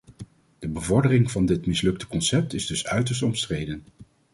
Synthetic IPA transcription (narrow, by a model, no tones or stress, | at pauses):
d̥əbəvɔɹdərɪŋvɑndɪtmɪslɵk̚tə̥kɔnsɛp̚tɪzdɵsœɥtəɹs̬tɔmstrejdən